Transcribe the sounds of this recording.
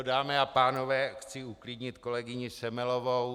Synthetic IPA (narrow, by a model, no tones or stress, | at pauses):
daːmɛapaːno̞vɛːxt͡sɪuklɪdɲɪt̪ko̞lɛɡɪɲɪsɛmɛlovow